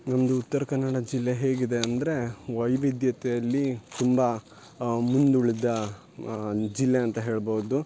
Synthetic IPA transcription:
nɐmɐd̪uːt̪ːɐɾɐkɐnːɐɽɐd͡ʒilːeɦe̞ːɡid̪e̞ɐnd̪ɐɾe̞ʋɐjʋid̪jɐt̪ɛjɐlːit̪umbɐ | mund̪uɭid̪ɐ | d͡ʒilːeɐnt̪ɐɦe̞ːɭboːd̪u

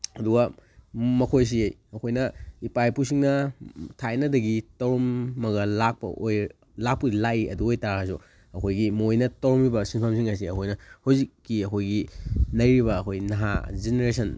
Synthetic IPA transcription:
ɐduɡɐ | mɐkʰojs̬iejɐkʰojnɐipajpusiŋnɐtʰajnɐdɐɡitɐwɾɔmːɐɡɐlak̚pɐ̰ʔoj | lak̚puɡilajiɐ̰duojtaɾkʰas̬ṵ | ɐkʰojɡimojnɐtɐwɾɔmibɐsinpʰamsiŋas̬iɐkʰojnɐhawzikːiɐkʰojɡinɐjɾiβɐːkʰojnɐɦa̰zeneɾesɐn

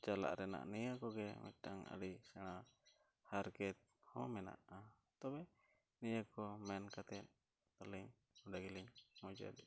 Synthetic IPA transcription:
t͡ʃala̰ʔɾɛna̰ʔnijəkɔɡɛmɛ̰ʈaŋa̰ɽisɛɽ̃a | haɾkɛt̪̚hɔ̃mɛna̰ʔa | t̪ɔbɛ | nijakɔmɛnkat̪ɛt̪̚ | t̪aliɲ | ɔɖaɡiliɲmɔd͡ʒə̰d

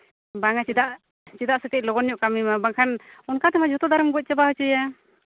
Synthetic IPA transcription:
baŋat͡ʃid̪aʔ | t͡ʃid̪aʔsɛt̪ɛc̚lɔɡɔnjɔʔkamimabaŋkʰanɔnkat̪ɛmad͡ʒɔt̪ɔd̪aɾəmɡɔc̚t͡ʃɛbahɔt͡ʃəja

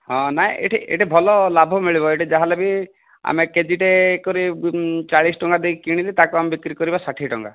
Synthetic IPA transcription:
ɦɔ̃naɦĩʔḛʈʰiʔḛʈʰibʱɔlɔlabʱɔmiɭibɔeʈid͡ʒaɦalebi | a̰meked͡ʒiʈekɔɾit͡ʃaɭisʈɔŋɡad̪ejkiɽ̃ilit̪akuamebikɾikɔɾibasaʈʰiʈɔ̰ŋɡa̰

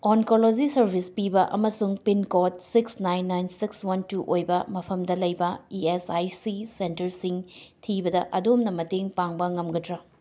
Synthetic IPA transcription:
onkolod͡ʒisɐɾbʱispibɐʔɐmɐsuŋpinkot̚siksnajnːajnsikswɐntuʔojbɐmɐpʰɐmdɐlɐjbɐiesajsisentɐɾsiŋtʰibɐdɐʔɐdomnɐmɐteŋpaŋbɐŋɐmɡɐdɾɐ

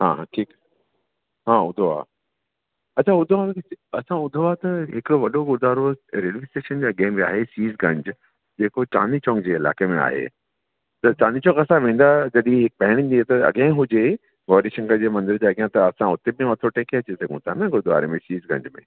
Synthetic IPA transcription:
ɦãːɦãʈʰiːk | ɦaːʊd̪ʱoa̰ | ɐt͡ɕʰaʊd̪ʱoãkɪɐsãʊd̪ʱoat̪ɐɦɪkɪɽoʋɐɗoɡʊd̪ʱaːɾoɾeːlʋisʈeːʃənd͡ʑaɐɡẽːbia̰ːɦesiːzɡɐ̃ɲd͡ʑ | d͡ʑeːkot͡ɕa̰ːnit͡ɕɔ̃ːkd͡ʑeːɪla̰ːkemẽa̰ːɦḛ | t̪ɐt͡ɕaːnit͡ɕɔ̃ɡɐsãʋẽːn̆d̪ad͡ʑɐɗĩɦɪk̚pɐɦɪɽ̃ĩd̪iet̪ɐɐ̰ɠẽɦʊd͡ʑe | ɡoːɾiʃɐ̃ŋɡəd͡ʑeːmɐ̃nd̪ɪɾd͡ʑeːɐɠjãt̪ɐɐsãʊt̪ebĩʋɐt̪ʰoʈeːkeɐt͡ɕisɐɡʱũt̪ʰanɐɡʊd̪ʱoa̰ːɾemẽsiːzɡɐ̰̃ɲd͡ʑmḛ̃

